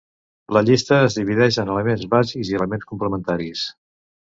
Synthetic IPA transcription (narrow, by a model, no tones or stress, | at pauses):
ləʎist̪əːzðiβiðɛʃənələmenzβazikziələmenskumpləmənt̪aɾis